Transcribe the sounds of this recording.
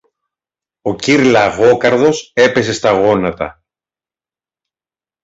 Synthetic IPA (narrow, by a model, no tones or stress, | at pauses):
o̞ciɾlɐɣo̞kɐɾðo̞se̞pe̞se̞st̪ɐɣo̞nɐt̪ɐ̰